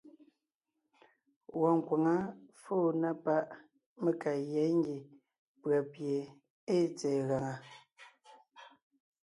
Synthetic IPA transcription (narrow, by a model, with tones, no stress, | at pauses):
wɔ˨ŋ̩˨kwa˨ŋa˦fo˦˨na˦pa˦ʔ | me˨ka˨jɛ˨˦ŋ˦ɡi˨ | pɰa˨pje˨ | e˦˨t͡sɛː˨ɣa˨ŋa˨